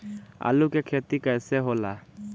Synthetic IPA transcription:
a̰lukekʰet̪ikəjseɦola̰

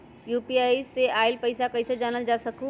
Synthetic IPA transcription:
juːpiaːiseaːɪlpəɪsakəɪsed͡ʒaːnəld͡ʒaːsəkũ

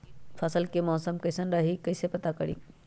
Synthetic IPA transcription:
fʰɐsəlkeːmɔːsəmkɐsənɗaːɦikɐɪsepɐt̪akɐɽḭː

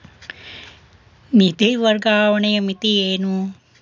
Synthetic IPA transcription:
mit̪iʋɐɾɡaːʋɐɳejɐmit̪ieːnu

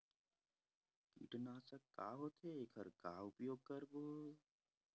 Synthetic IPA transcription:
kḭʈnaːsəkːa̰ːɦoːt̪ʰeekʰəɾkaːʊpjoːɡ̚kəɾboː

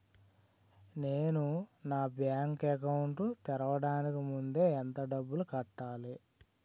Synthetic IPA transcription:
ne̞ːnunaːbjaːŋkɛkɐwuɳʈut̪ɛɾɐʋɐɽaːnikimund̪e̞ːnt̪ɐɖɐbːulukɐʈːaːli

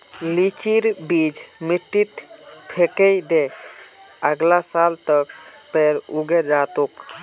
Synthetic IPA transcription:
lit͡ʃiɾbid͡ʒmiʈːit̪pʰekejd̪ek | əɡlasalt̪ək̚ | peɾuɡeɾd͡ʒat̪ok

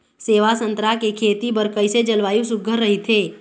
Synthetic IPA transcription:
seːʋasə̃nt̪ɾakekʰeːt̪ibɐɾkəɪsed͡ʒɐlʋaːjũsʊɡʱəɾːɐɦit̪ʰeː

